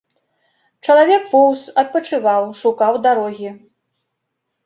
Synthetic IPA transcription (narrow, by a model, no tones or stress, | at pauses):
t͡ʂɐlˠavʲɛk̚pɔwsɐt̪̚pɐt͡ʂɨvawʂukawd̪aɾɔɣʲi